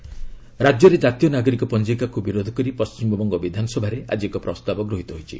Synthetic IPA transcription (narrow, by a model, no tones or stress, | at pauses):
ɾad͡ʒjɔɾed͡ʒat̪ijɔnaɡɔɾikɔpɔnd͡ʒikakubiɾod̪ʱɔkɔɾipɔst͡ʃimɔbɔŋɡɔbid̪ʱanɔsɔbʱaɾeʔa̰d͡ʒiekɔpɾɔst̪abɔɡɾoɦit̪ɔɦojt͡ʃʰḭ